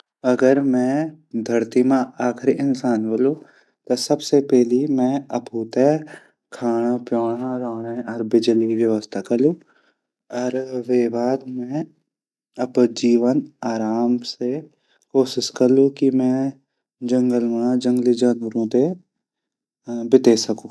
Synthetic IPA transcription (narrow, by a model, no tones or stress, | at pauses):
ɐɡəɾmɛ̃d̪ʱɐɾt̪imẽaːxʰɾiʔɪnsaːnɦolũ | t̪osɐbsepɛɦlimɛ̃ɐpuːt̪e | kʰaːɽ̃apjoːɽ̃aɾaːɽeɔːɾbɪd͡ʒliʋjəʋəst̪ʰakɐɾlũ | ɔːɾʋeːʋaːd̪mɛ̃ | ɐbd͡ʒiːʋənaːɾaːmse | koːʃɪʃkɐɾlũkimɛ̃ | d͡ʒɐ̃ŋɡəlməɽ̃ãd͡ʒɐ̃ŋɡlid͡ʒanəɾõt̪e | bɪt̪esɐkũː